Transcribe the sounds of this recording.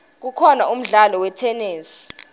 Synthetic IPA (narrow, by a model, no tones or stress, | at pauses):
k̬ukʰɔnaum̩ɮalɔwɛtʰɛneːsi̥